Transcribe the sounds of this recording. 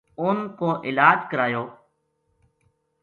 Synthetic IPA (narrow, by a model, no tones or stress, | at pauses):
ʊnkoːʔɪlaːd͡ʒkəɾaːjoː